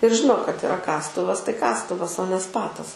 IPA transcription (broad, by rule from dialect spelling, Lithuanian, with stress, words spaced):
ɪr ˈʒʲɪnoː kɐt ɪˈrɐ ˈkɑːstʊʋɐs tɐɪ ˈkɑːstʊʋɐs oː nʲɛ ˈspɑːtɐs